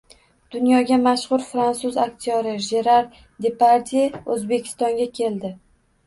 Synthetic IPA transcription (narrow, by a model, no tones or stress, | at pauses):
d̪̥ʊnjɒɡʲamaʃχʊɾfɾansʊzak̚ʲt̪ʰijɒɾɪʒeɾaɾ | d̪epaɾt̪ʰiɵzbe̞kʲʰɪ̥st̪ɒŋɡʲakʲʰe̞ld̪ɪ